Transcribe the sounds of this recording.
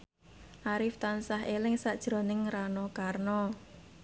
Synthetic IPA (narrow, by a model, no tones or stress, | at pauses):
ʔaɾɪft̪ansaɦelɪŋsad̥ʒ̥ɾo̤nɪŋɾanɔkarnɔ